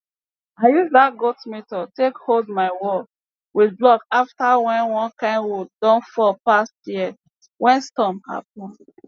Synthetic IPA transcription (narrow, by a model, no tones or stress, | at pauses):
ajuðat̚ɡotmetɔtekholdmaɪwɔ | wiðblɔkaftawɛ̃nwɔ̃nkãɪ̃nwɔdɔ̃nfɔpastji | wʔɛ̃nstɔ̃mha̰p̚ɔ̃nd